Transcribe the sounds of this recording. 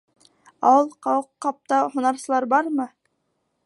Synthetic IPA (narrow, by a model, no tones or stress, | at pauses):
ɑwɤlˠqɑwɤqːɑp̚t̪ɑhŭnɑɾsɤ̆lˠɑɾbɑɾmɤ